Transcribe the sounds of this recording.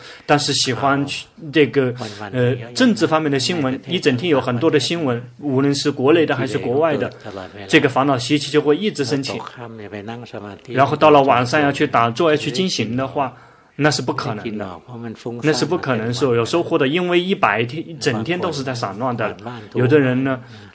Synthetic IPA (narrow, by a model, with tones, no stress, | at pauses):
t̪a˥˧nʂɻ̩˥˩ɕi˨˩xwa˥nt͡ɕʰʈ͡ʂɤ˥˩ɡə˩ə˧ʈ͡ʂə˥˧ŋʈ͡ʂɻ̩˥˩fɑ˥ŋmjɛ˥˩nd̪ə˩ɕi˥nwə˧˥ni˥˩ʈ͡ʂə˨˩nt̪ʰjɛ˥njo˧˥ʊxə˨˩nt̪̬wɔ˥d̪ə˨ɕi˥nwə˧˥nu˧˥lə˧˥nʂɻ̩˥˩kwɔ˧˥le˥˩ɪd̪ə˩xa˧˥ɪʂɻ̩˥˩kwɔ˧˥wa˥˩ɪd̪ə˩ʈ͡ʂɤ˥˩ɡə˩fɑ˧˥ŋnɑ˨˩ʊɕi˧˥˩t͡ɕʰi˧˥t͡ɕjo˥˧ʊxwe˥˧ɪi˥˩ʈ͡ʂɻ̩˧˥ʂə˥nt͡ɕʰḭ˨˩˥ | ɻa˧˥nxo˥˧t̪ɑ˥˩ʊlə˩wɑ˨˩ŋʂa˥˧nja˥˧t͡ɕʰy˥˩t̪a˨˩t͡swɔ˥˧a˧˥t͡ɕʰy˥˩t͡ɕi˥nɕi˧˥ŋd̪ə˧xwa˥˩ | na˥˧ʂɻ̩˥˧pu˥˩kʰɤ˨˩nə˧˥ŋd̪ə̰˧na˥˧ʂɻ̩˥˧˩pu˥˩kʰɤ˨˩nɤ˧˥ŋʂɻ̩˥˩˧jʂ̩˧˥xo˥˧xwd̪ə˧˥i˥nwe˥˧ɪi˥˩pa˨˩ɪt̪ʰjɛ˥n˥ʈ͡ʂə˨˩nt̪ʰjɛ˥nt̪o˥ʊʂɻ̩˥˧t͡sa˥˩ɪʂɑ̰˨˩ŋlwa˥˩nd̪ə˩lə˩jjo˨˩ʊd̪ə˦ɻə˧˥nnə˧